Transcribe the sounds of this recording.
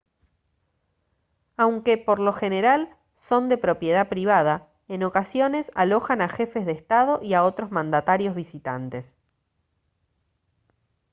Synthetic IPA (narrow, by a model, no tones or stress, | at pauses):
awŋke̞po̞ɾlo̞xe̞ne̞ɾal | so̞nd̪e̞pɾo̞pje̞ð̞apɾiβ̞að̞a | e̞no̞kasjo̞ne̞sa̰lo̞xanaxe̞fe̞zð̞est̪að̞o̞ʔiaot̪ɾo̞zmãnd̪at̪aɾjo̞zβisit̪a̰nt̪e̞s